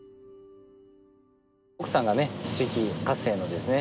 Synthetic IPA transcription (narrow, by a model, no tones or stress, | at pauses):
okɯ̟sãŋɡane̞t͡ɕikʲikase̞ːnod̪e̞sɨne